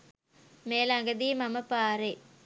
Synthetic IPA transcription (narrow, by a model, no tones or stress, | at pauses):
meːlɐŋɡɐd̪iːmɐmɐpaːɾe